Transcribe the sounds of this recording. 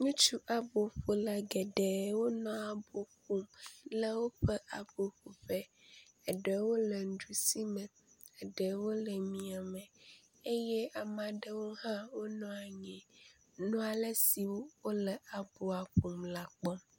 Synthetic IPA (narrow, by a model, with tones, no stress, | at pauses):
ɲũ˦t͡ʃu˦ʔa˨bo˨ɸo˨la˨ɡɛ˨ɖɛ˨wo˦nɔ̃˦a˨bo˨ɸu˦mlɛ˦wo˦ɸɛ˦ʔa˨bo˨ɸu˨ɸɛ˦ | ɛ˨ɖɛ˨wo˦lɛ˨n̩˨d͡ʒu˨si˦mɛ̃˨ | ɛ˨ɖɛ˨wo˦lɛ˨mĩ˨a˨mɛ̃˨ | e˦jɛ˦a˨mã˨ɖɛ˦wo˦hã˦wo˦nɔ̃˨a˨ɲɛ̃˨ | nɔ̃˦a˨le˦si˨wo˦wo˦lɛ˨a˨bo˨a˨ɸo˨mla˨k͡pɔ˦m